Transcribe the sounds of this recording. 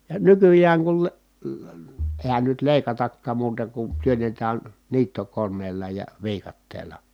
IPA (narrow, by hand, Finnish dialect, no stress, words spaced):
jɑ nykyjæːŋ kul le leə eˑi̯hæn nyt leˑi̯kɑtɑkːɑːm muːtɑ kun tyønːetæːn niːtːokonˑeːlːɑ jɑ ʋiːkɑtːeːlɑ